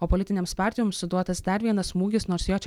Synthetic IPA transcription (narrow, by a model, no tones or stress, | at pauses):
oːpɔlʲɪt̪ʲɪnʲɛmspɑˑɾʲt̪ʲɪjɔmssʊd̪uɔt̪ɐsd̪ɐɾʲʋʲiɛnɐsmuːɡʲɪsnoːɾsjoːt͡ʃʲ